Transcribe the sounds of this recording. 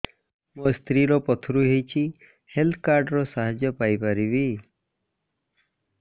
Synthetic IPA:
must̪ɾiɾɔpɔt̪ʰɾuɦejt͡ʃʰi | helt̪ʰkaɾɖɾɔsaɦad͡ʒjɔpajpaɾibi

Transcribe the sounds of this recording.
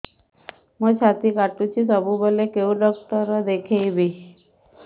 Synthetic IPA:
mət͡ɕʰat̪ikaʈut͡ɕʰisəbubəlekeuləkt̪əɾəd̪ekʰejbi

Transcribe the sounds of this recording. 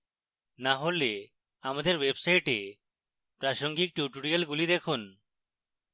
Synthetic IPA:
naɦole | amad̪eɾwebsajʈe | pɾaʃoŋɡik̚ʈjuʈuɽijalɡulid̪ekʰun

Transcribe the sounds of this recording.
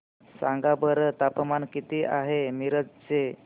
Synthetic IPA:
saŋɡabəɾət̪apmankit̪iːʔaɦemiɾəd͡zt͡se

